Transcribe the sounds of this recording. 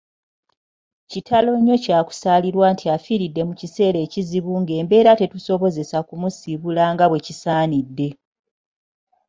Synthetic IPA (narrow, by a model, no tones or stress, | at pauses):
citʰalo̞ɲo̞caːku̥saːliɾwaːntʰiafiɾidːe̞mucise̞ːle̞ːciziβuːŋɡe̞ːmbe̞ːɾate̞tuso̞βo̞ze̞sakumusiβulaŋɡaβwe̞cisaːnidːe̞